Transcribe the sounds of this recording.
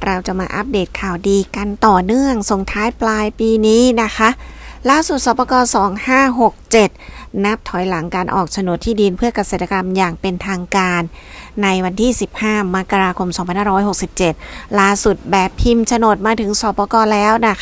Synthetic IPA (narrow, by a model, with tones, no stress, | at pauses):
ɾa˧wt͡ɕa˨˩maː˧ʔa˦˥p̚deː˨˩t̪̚kʰaː˨˩wdiː˧ka˧nt̪ɔː˨˩nɯ˥˩əŋso˨˩ŋt̪ʰaː˦˥jplaː˧jpiː˧niː˦˥na˦˥kʰa˦˥ʔlaː˥˩su˨˩t̪̚sɔː˩˦pɔː˧kɔː˧sɔː˩˦ŋhaː˥˩ɦo˨˩k̚t͡ɕe˨˩t̪̚na˦˥p̚t̪ʰɔ˨˩˦jla˩˦ŋkaː˧nʔɔ̰ː˨˩k̚t͡ɕʰa˧no˨˩t̪ʰːiː˥˩di˧npʰɯ˥˩ɐka˧seː˨˩t̪ʰːa˧ka˧mjaː˨˩ŋpe˧nt̪ʰaː˧ŋkaː˧nː | a˧jwa˧nt̪ʰiː˥˩si˨˩p̚haː˥˩ma˦˥kːa˧ɾaː˧kʰo˧msɔː˨˩˦ŋpʰa˧nhaː˥˩ɾɔ˦˥jho˨˩k̚si˨˩p̚t͡ɕe˨˩t̪̚laː˥˩su˨˩t̪̚bɛː˨˩pʰːi˧mt͡ɕʰa˧no˨˩t̪̚maː˧t̪ʰɯ˩˦ŋsɔː˨˦pɔː˧kɔː˧lɛː˦˥wna˦˥